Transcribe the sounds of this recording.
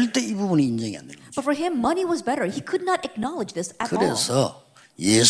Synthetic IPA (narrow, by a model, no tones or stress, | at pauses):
ɭt͈e̞ibubuniːnd͡ʑʌŋia̰ndḛnbb̥ʌtfə˞ɪ̃mːʌniwʌzbɛɾə˞hikʰʊdⁿnəɾɨk̚nɑlˠɨd͡ʒðɪsɨkɯɾesʰʌ | jes